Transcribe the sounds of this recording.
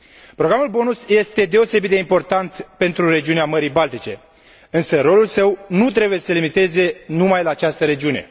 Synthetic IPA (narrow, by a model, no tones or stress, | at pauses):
pɾoɡɾamulbo̞nusje̞st̪e̞d̪e̞o̞se̞bit̪̚d̪eimpo̞rt̪ant̪pe̞nt̪ɾuɾe̞d͡ʒiuneaməɾijbalt̪it͡ʃe̞ | ɨnsəɾo̞lulsəwnut̪ɾe̞buje̞səlimit̪e̞ze̞numajlaːt͡ʃast̪əɾe̞d͡ʒiune̞̰